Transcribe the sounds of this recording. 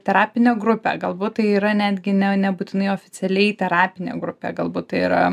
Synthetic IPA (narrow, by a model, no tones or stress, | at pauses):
t̪ʲɛɾɑːpʲɪnʲeɡɾʊpʲḛɡɐlˠbuːt̪̚t̪ɐɪiːɾɐnʲæːd̪ʲɡʲɪnʲɛnʲɛbuːt̪ʲɪnɐɪoːfʲɪt͡ssʲɛlʲɛɪjt̪ʲɛɾɑːpʲɪnʲḛɡɾʊpʲḛːɡɐlˠbuːt̪t̪ɐɪiɾɐ